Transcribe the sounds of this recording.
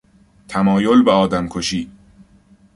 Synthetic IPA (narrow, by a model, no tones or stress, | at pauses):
t̪ʰæmɒːjolbeɒːd̪æmkʰoʃiː